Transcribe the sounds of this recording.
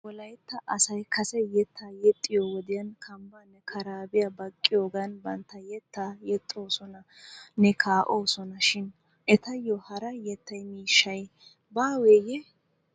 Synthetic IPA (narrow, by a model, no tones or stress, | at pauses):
wɔlɐjt̪ːɐʔɐsɐjkʰɐsɛjɛt̪ʰːaːjɛt̪ʼːɪjowɔd̪ɪjɐnkʰɐmbɐnːɛkʰɐɾaːbɪjɐbɐkʼːɪjoːɡɐnbɐnt̪ːɐjɛt̪ːaːjɛt̪ʼːoːsɔnɐnɛkʰaːʔo̞ːsɔnɐʃɪn | ʔɛt̪ɐjːɔhɐɾɐjɛt̪ːɐjmiːʃːɐj | baːweːjɛ